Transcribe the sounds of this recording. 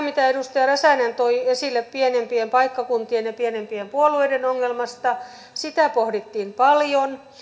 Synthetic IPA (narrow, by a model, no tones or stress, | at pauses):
mit̪æeɾust̪ɑjɑræsæˑnænt̪oiesilːeppienempiempɑikːɑkunt̪ienjɑpienempiempuoluejdenoŋːelmɑst̪ɑ | sit̪æˑpohdit̪ːiːmpɑljon